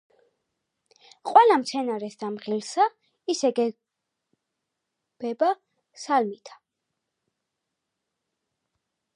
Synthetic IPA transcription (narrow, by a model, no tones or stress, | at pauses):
qʼwɛlamt̪sʰɛnaɾɛsd̪̥amʁilsa | isɛɡɛ | b̥ɛba | salmit̪ʰḁ